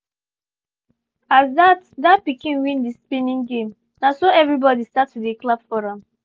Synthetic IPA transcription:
asdatdat̚pikĩnwĩndispĩnĩŋɡẽm | nasoɛvɹibɔdistatideklab̥fɔɹãm

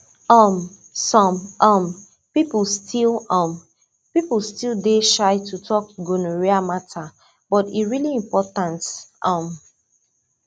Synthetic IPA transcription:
ɔm | sɔ̃mʌm | pipl̩ˠstʰilʌ̃m | pipl̩ˠstildeʃaɪtʰutʰɔkɡonoɹiamatʰa | bɔtḭɹiliĩmpɔtãntʔʌ̃m

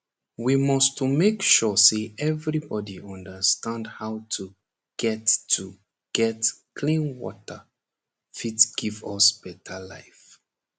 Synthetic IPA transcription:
wimɔstmekʃɔseʔɛvɹibɔdiɔ̃ndəstãndhaʊtʰu | ɡ̥ɛtːu | ɡ̥ɛtkʰlĩnwɔ̰tə | fitɡ̥ivʌsb̥ɛtʰəla̰ɪf

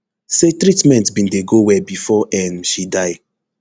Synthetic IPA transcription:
setɹitmɛ̃ntbĩndeɡowɛbifɔʔɛ̃nʃidaɪ

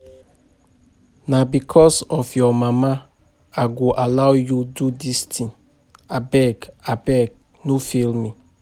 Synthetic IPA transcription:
nabikʰɔsɔfjɔmama | aɡoʔalawjududistʰĩŋ | abɛɡabɛɡ̚ | nofilmi

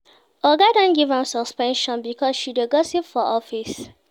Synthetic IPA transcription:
ɔɡadɔ̃nɡivãmsɔspɛ̃nʃɔ̃nbikʰɔsʃideɡɔsipfɔʔɔfis

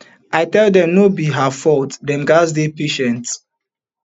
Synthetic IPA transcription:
ajtɛldɛ̃mnobiɦafɔltdɛ̃nɡazdepeʃɛ̃nt

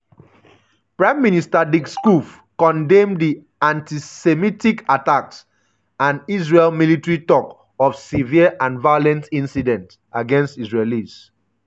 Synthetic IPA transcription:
pɹãɪ̃mːinistadikskuf | kɔ̃ndẽmdi | ãntisemitikataks | ãniz̬ɹelmilitɹitɔk | ɔfsiviəʔãnvajolɛ̃ntĩnsidɛ̃nt | aɡɛ̃nstisɹelis

